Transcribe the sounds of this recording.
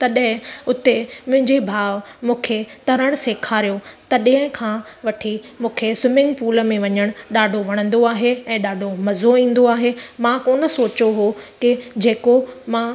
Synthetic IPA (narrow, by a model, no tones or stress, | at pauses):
t̪ɐɗɦɪ̃ʊt̪emʊ̃ɦɪ̃ɲd͡ʑebʱaːʋmũːkʰet̪ɐɾəɽ̃seːkʰaːɾijot̪ɐɗɦɪ̃kʰãːʋɐʈʰimũːkʰesɪmɪ̃ŋɡpuːləmẽʋɐɲəɽ̃ɗaːɖʱoʋɐɽ̃ə̃nd̪oaːɦeɛ̃ːɗaːɖʱomɐzoĩːn̆d̪oaːɦemãkoːnə̆soːt͡ɕoɦokɪd͡ʑeːkomã